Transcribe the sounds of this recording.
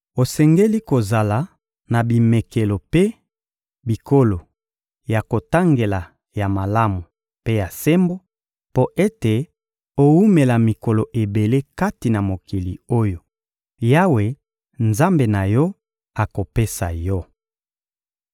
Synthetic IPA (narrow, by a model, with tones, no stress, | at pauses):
o˨sɛ˨ŋɡe˦li˦ko˨za˨la˨ | na˨bi˨me˨ke˨lo˨pe˦ | bi˨ko˦lo˨ | ja˨ko˨ta˦ŋɡe˨la˨ | ja˨ma˨la˦mu˨ | pe˦ja˨se˦mbo˦ | po˦ʔe˦te˨ | o˦u˦me˨la˨mi˨ko˨lo˨ʔe˨be˨le˦ka˦ti˨na˨mo˨ki˨lḭ˨o˦jo˨ | ja˦we˨ | nza˦mbe˨na˨jɔ˦ | a˨ko˨pe˦sa̰˨jɔ˦